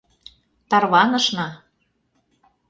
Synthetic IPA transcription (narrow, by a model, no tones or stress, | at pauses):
t̪ɑrβɑnɤ̆ʃnɑ